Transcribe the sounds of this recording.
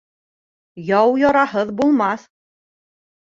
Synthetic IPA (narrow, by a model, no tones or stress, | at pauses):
jɑwjɑɾɑhɤðbulˠmɑθ